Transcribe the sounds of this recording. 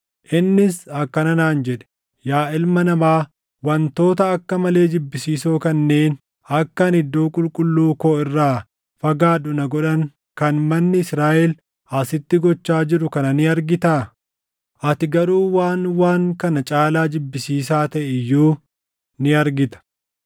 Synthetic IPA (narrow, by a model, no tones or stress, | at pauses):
ʔɪnːɪsɐkːɐnɐnaːnd͡ʒɛᶑɛ̥ | jaːʔɪlmɐnɐmaː | wɐnt̪o̞ːt̪ɐɐkːɐmɐle̞ːd͡ʒɪbːɪsiːsoːkɐnːe̞ːn | ɐkːɐnhɪd̪ːoːkʼʊlkʼʊlːuːkoːɪrːaː | fɐɡaːᶑʊnɐɡɔᶑɐŋ | kɐnmɐnːɪɪsɾaːʔɛl | ʔɐsɪt̪ːɪɡɔt͡ʃːaːd͡ʒɪɾʊkɐnɐnɪɐɾɡɪt̪aː | ʔɐt̪ɪɡɐɾuːwaːnwaːŋkɐnɐt͡ʃʼaːlaːd͡ʒɪbːɪsiːsaːt̪ɐʔɪjːuː | nɪɐɾɡɪt̪ɐ̥